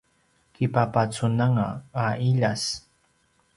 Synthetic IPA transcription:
kɪpapat͡sʊnaŋaaʔɪʎas

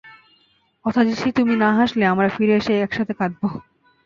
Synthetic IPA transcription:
kɔt̪ʰad͡ʑiʃʰit̪uminaɦaʃleamɾafiɾeeʃeɛkʃat̪ʰekad̪̚bo

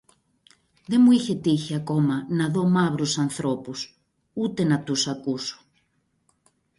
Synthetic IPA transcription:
ðe̞muiçe̞t̪içeako̞mɐnɐðo̞maβɾusɐnθɾopus | ut̪e̞nɐt̪usakuso̥

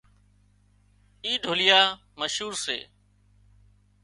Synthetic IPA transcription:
iːɖʱoːlɪjaːməʃuːɾsḛː

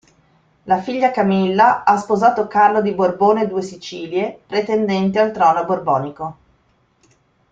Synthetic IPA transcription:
lafiʎːakamilːaaspozaːt̪okarlod̪iborboːned̪uːesit͡ʃiːljepɾet̪end̪ɛnt̪ealt̪ɾɔːnoborbɔːniko

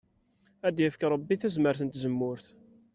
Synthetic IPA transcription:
æd̪jəfəkɾˤəbːiθæzməɾθənt̪zəmːʊɾθ

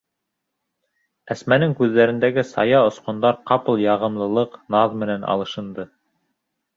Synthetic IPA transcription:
æsmænɘŋkʉðːæɾɘ̆nd̪æɡɘsɑjɑŏsqŏnd̪ɑɾqɑpɤ̆lˠjɑʁɤ̆mlˠɤ̆lˠɤqnɑðmɘ̆nænɑ̰lˠɤ̆ʃɤ̆nd̪ɤ

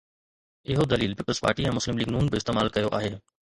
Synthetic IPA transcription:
ɪɦod̪ɐliːlpɪːpəlspa̰ːɾʈiɛ̃ːmʊslɪmliːɡnuːnbeɪst̪eːmaːlkɐjoʔa̰ːɦeː

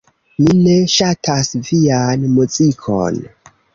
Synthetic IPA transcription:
mine̞ʃatʰasvianmuzikʰo̰n

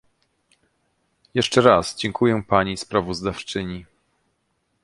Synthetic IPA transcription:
jɛʂt͡ʂɛɾasd͡ʑɛŋkʰujɛpaɲispɾavɔzd̪aft͡ʂɘɲi

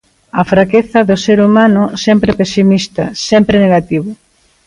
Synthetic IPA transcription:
ɐfɾakeθɐðʊseɾumanʊsɛmpɾɪpesimist̪ɐ̰sɛmpɾɪneɣat̪iβʊ

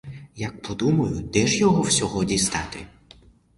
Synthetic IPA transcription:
jɐk̚pʰɔd̪umɐjʊd̪ɛʒjɔɦɔwsʲɔɦɔdʲist̪ɑt̪ɪ̰

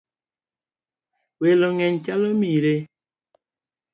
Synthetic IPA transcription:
weloŋɛnt͡ʃalomiɾe

